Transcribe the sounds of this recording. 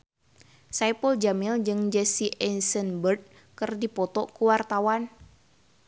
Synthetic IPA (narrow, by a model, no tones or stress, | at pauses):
sajpəld͡ʒamɪld͡ʒɨŋd͡ʒɛsiʔɛnsənbərd̚ | kɨrdipɔt̪ɔkuwart̪awan